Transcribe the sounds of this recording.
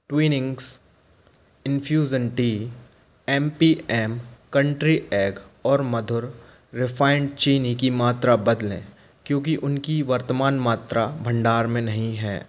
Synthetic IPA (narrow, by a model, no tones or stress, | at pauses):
ʈwiːnɪ̃ŋɡs | ɪ̃nfʰjuːd͡ʒənʈiː | ɛːmpiɛːmkɐ̃ɳʈɾiʔɛːɡɔːɾmɐd̪ʱʊɾ | ɾɪfʰaːɪɳɖt͡ʃiːnikimaːt̪ɾabɐd̪lḛ̃ː | kjõːk̬iʔʊnkiʋɐɾt̪əmaːnmaːt̪ɾabʱɐ̃ɳɖaːɾmẽnɐɦĩɦɛ̰ː